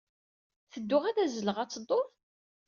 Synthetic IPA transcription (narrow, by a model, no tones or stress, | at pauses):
θəd̪ːʊʁæðæzələʁæt͡sːəd̪ˤːoɾ